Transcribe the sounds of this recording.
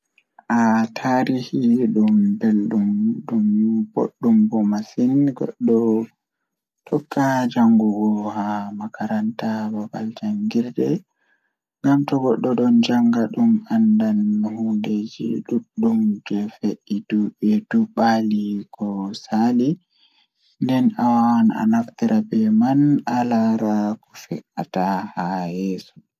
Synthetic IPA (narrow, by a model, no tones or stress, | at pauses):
ʔatʰaɾihiɗumbelɗumɗumb̥o̰ɗːumbɔmasinɡɔ̰ɗɔ | tʰɔkːad͡ʒaŋɡuɡɔhamakaɾantababa̰ld͡ʒaŋɡiɾdɛ | ŋɡamtɔɡɔɗːɔɗɔnd͡ʒaŋɡaɗumandanhunded͡ʒḭɗuɗːumd͡ʒɛfeʔid̥uɓɛduɓalikɔsali | ndɛnawawana̰naftiɾʔabɛmanalaɾakɔfɛ̰ʔatahajɛːsu̥